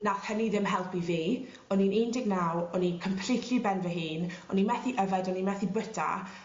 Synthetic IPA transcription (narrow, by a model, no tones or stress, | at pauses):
nakhəniðɪmɦɛlˠpiviː | ɔninendɪɡnawɔninkʰəmpʰl̥itʰibɛnvəɦɨːnɔninmɛθiʔəvɛdɔninmɛθibətʰa̰